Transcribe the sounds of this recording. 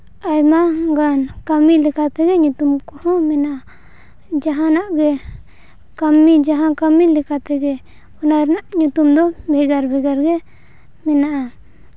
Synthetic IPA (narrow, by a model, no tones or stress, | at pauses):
ajmaŋɡankamilikat̪eɡeɲũt̪umkuhɔ̃minaʔa | d͡ʒaɦãnaʔɡe | kamid͡ʒaɦãkamilikat̪eɡe | unaɾnaʔɲut̪umd̪ɔbɛɡaɾbɛɡaɾɡe | minaʔa